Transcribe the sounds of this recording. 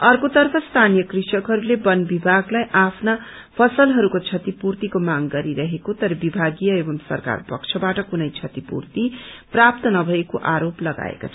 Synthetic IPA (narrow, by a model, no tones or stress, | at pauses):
ʌrkot̪ʌrpʰʌst̪ʰanijʌkrisʌkɦʌɾulebʌnbibʱaɡlajʔapʰna | pʰʌsʌlɦʌɾukot͡sʰʌt̪ipurt̪ikomaŋɡʌɾiɾʌɦekot̪ʌɾʌbibʱaɡijʌebʌmsʌ̰rka̰rpʌ̰kt͡sʰʌbaʈʌkunʌjt͡sʰʌt̪ipṵrt̪iprap̚t̪ʌnʌbʱʌekoʔaɾoplʌɡa̰ḛko̰t͡sʰʌ